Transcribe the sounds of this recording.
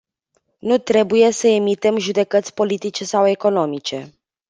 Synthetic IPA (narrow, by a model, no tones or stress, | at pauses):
nut̪ɾe̞buje̞səe̞mit̪e̞mʒud̪e̞kət̪sʲpo̞lit̪it͡ʃe̞sawe̞ko̞no̞mit͡ʃe̞